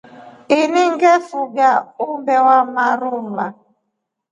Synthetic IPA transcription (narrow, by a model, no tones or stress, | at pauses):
iniŋ̩ɡɛfuɡaumbɛwamaɾumla